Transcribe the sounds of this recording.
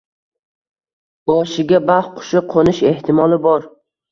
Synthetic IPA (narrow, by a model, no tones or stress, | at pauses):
bɒʃɪɡʲabaχqʰʊ̥ʃɪqʰonɪʃe̞ht̪ʰɪmɒlˠɪbɒɾ